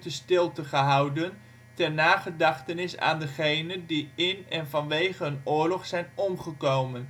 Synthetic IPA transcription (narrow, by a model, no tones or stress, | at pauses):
təstɪlˠtəχəɦɑwdən | tɛrnaːχədɑχtənɪsa̰ːndəχejnəndiɪnɛnvɑnʋejχəənʊːɹlɔχsɛjnɔmχəkowmən